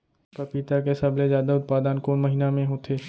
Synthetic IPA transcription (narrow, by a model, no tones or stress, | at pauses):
pɾəpiːt̪ak̬esɐblezjaːd̪aʊt̪̚paːd̪ənkoːnməɦinamẽɦoːt̪ʰeː